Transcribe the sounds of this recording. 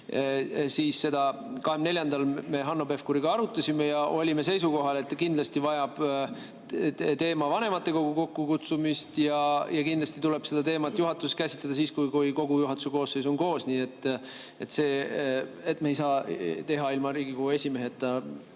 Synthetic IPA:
siːsse̞d̪ɑ | kɑɦemne̞ljɑnd̪ɑlme̞ɦɑnːo̞be̞fkuɾiɡ̥ɑɑɾut̪ːˑɑsʲimejɑʔo̞lʲime̞se̞jsuko̞ɦɑle̞t̪ːkind̪lɑst̪ivɑjɑb̥ | t̪e̞ːmɑvɑne̞mɑt̪ˑːe̞ko̞ɡuko̞kːukut̪sumist̪jɑjɑkind̪lɑsʲt̪it̪ule̞b̥se̞d̪̥ɑt̪e̞ːmɑt̪ːˑjuɦɑt̪ːˑuset̪kæsit̪led̪ɑs̬iːskujkujko̞ɡ̥ujuɦɑt̪ːu̥seko̞ːsːejs̬o̞nko̞ːsniːe̞t̪ːˑ | et̪ːse̞ː | e̞t̪ːmeejsɑːt̪e̞ɦɑilmɑɾiːɡ̥ikoɡue̞sʲimeɦet̪ːˑɑ

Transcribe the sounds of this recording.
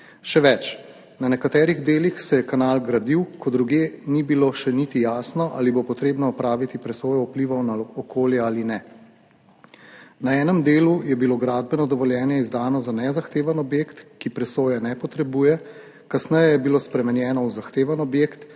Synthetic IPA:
ʃɛʋɛt͡ʃ | nanɛkat̪ɛːɾiɣd̪eːlixsɛjɛkanaːlɡɾad̪iwkɔd̪ɾuɡjeːnibiloʃɛnit̪ijaːsnɔʔa̰libopɔt̪ɾeːbnɔɔpɾaːʋit̪ipɾɛsoːjɔupliʋɔwnaɔkoːljɛalinɛ | naɛːnɛmd̪eːlujɛbiloɡɾaːd̪̚bɛnɔd̪ɔʋɔljɛːnjɛizd̪aːnɔzanɛzaxt̪eːʋanɔbjeːkt̪kipɾɛsoːjanɛpɔt̪ɾɛbuːjɛ | kasnɛjɛjɛbiloːspɾɛmɛnjɛːnɔwzaxt̪eːʋanɔbjeːkt̪

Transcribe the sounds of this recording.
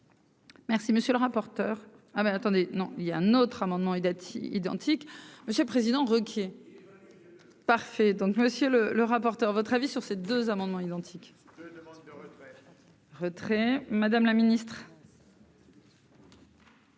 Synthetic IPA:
mɛʁsiməsjøləʁapɔʁt̪œːʁ | abɛat̪ɑ̃d̪enɔ̃iljaɛ̃not̪χamɑ̃d̪mɑ̃ḭd̪ɑ̰̃t̪ʰikməsjələpχezid̪ɑ̃ʁəkʲʰe | paʁfɛd̪ɔ̃kməsjølələʁapɔʁt̪œʁvɔt̪χavisyʁsed̪øzamɑ̃d̪mɑ̃id̪ɑ̃t̪ʰik | ʁət̪χɛmad̪amlaminist̪χ

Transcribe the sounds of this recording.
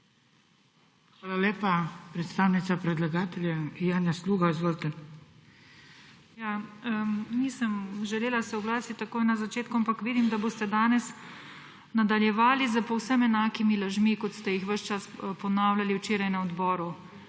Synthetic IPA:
xʋaːlaleːpapɾɛt̪st̪aːwnit̪sapɾɛd̪laɡaːt̪ɛljajaːnjasluːɡazʋolt̪ən | jaːəniːsəmʒɛleːlasɛwɡlaːsit̪ʲt̪ːakoːjnazat͡ʃeːt̪kuampakʋiːd̪imd̪aboːst̪ɛd̪aːnɛs | nad̪aljɛʋaːlizəpɔwsəmɛnaːkimilaʒmikɔt̪st̪ɛjixʋəʃt͡ʃaspɔnaːwlʲaliwt͡ʃeːɾajnaɔd̪bɔːɾu

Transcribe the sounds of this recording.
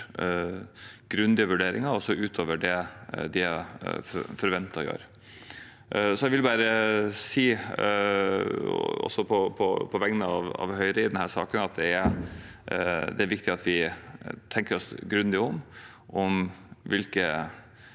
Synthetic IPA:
ɡ̥ɾʉnd̪ɪəʋʉɖeːɾɪ̰ŋɑɔsɔʉːt̪ʰoːʋəɖɛd̪ɪæffɔɾʋɛnt̪ːɑɔjø̰ːɾ | sɔɛʋɪlbɑːɾəsiː | ɔ̰sːɔpʰɔpʰɔpʰɔʋɛŋnəɑʋɑ̰ʋɦœʏɾəɪd̪ɛnhæːʂɑ̰ːkənɑt̪̚d̪ɛæɾ | d̪ɛæɾʋɪkt̪ɪɑt̪ʰʋɪt̪ʰɛŋkəɾɔsɡɾʉnd̪ɪəɔm | ʔɔmʋɪlkə

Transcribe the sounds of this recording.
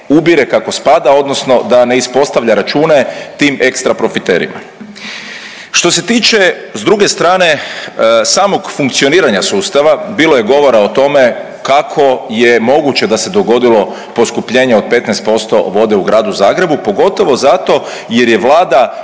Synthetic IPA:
ubiɾekako̞spad̪ao̞d̪nosno̞d̪ane̞ispo̞st̪aʋʎaɾat͡ʃuːne̞t̪iːmekst̪ɾapɾo̞fit̪eːɾḭma̰ | ʃt̪o̞se̞t̪iːt͡ʃe | zd̪ɾuɡe̞st̪ɾaːne̞ | saːmo̞ɡfuŋkt̪sioniːɾaɲasuːst̪aʋabiːlo̞je̞ɡo̞ʋo̞ɾaot̪o̞me̞ | kakʰo̞jemo̞ɡut͡ɕe̞d̪ase̞d̪o̞ɡo̞d̪ilo̞ | po̞skupʎe̞ːɲeo̞d̪̚pe̞t̪nɛest̪po̞st̪o̞̰ʋo̞d̪e̞uɡɾaːd̪uzaːɡɾe̞bupo̞ɡo̞t̪o̞ʋo̞zat̪o̞ | jeɾje̞ʋlaːd̪a

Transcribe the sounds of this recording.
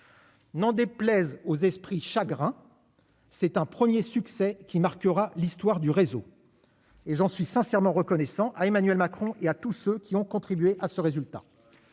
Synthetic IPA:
nɑ̃d̪eplɛzozɛspχiʃaɡʁɛ̃ | sɛt̪ɛ̃pχəmjesyksɛkʲimaʁkəʁalist̪waʁd̪yʁezo | eʒɑ̃sɥisɛ̃sɛʁmɑ̃ʁəkɔnɛsɑ̃ʔaemanɥɛlmakχɔ̃ʔeat̪usøkʲiɔ̃kɔ̃t̪χibɥeʔasəʁezylt̪a̰

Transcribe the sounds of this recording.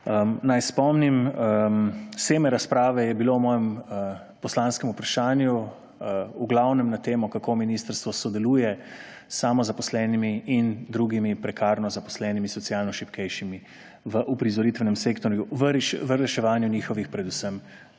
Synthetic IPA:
ənajspɔmnim | seːmɛɾaspɾaːʋɛjɛbilowmɔːjɛm | pɔslanskɛmupɾaʃaːnju | uɡlawnɛmnat̪eːmɔkakominist̪əɾst̪ʋɔsɔd̪ɛluːjɛ | saːmɔzapɔslɛːnimiind̪ɾuːɡimipɾɛkaːɾnɔzapɔ̥slɛːnimisɔt̪sijaːlnɔʃipkɛjʃimi | ʋəʔupɾizɔɾit̪ʋɛnɛmseːkt̪ɔɾjuʋəɾʃʋəɾɛʃɛʋaːnjuniːxɔʋixpɾɛd̪usəm

